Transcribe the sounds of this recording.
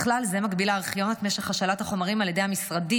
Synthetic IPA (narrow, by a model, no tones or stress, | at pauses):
χlalzemaɡbilaːʁχjo̞nat̪meʃeχhaʃalathaχo̞maʁimaljede̞jhamisʁadi